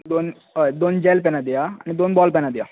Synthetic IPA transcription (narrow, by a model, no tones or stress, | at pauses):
d̪on | d̪ond͡ʑɛlpɛnad̪ijaanid̪onbɔlpɛnad̪ija